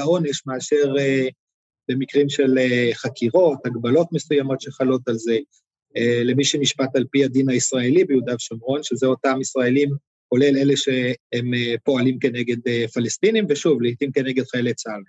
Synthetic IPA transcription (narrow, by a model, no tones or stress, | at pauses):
ao̞neʃmeːʃe̞ʁe | b̥e̞mikʁimʃe̞leχakiʁo̞thaɡbalo̞tme̞sujamo̞tʃeχalo̞t̪alze̞ | le̞miʃemiʃpat̪alpihad̪inaisʁae̞libeud̪avʃamʁo̞nʃezeotamisʁae̞lim | ko̞le̞le̞le̞ʃeempo̞alimke̞ne̞ɡe̞d̪efalest̪inimveʃuvlit̪imke̞neɡe̞d̪χaelet͡sal